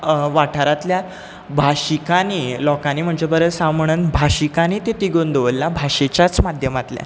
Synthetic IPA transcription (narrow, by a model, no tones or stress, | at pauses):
ʋaʈʰaɾat̪lja | bʱaɕikanilɔkaniːm̤əɳd͡ʑebəɾəsãm̤əɽ̃uːnbʱaɕikanit̪et̪iɡond̪oʋəlːabʱaɕet͡ɕjat͡smad̪ʱjəmat̪lja̰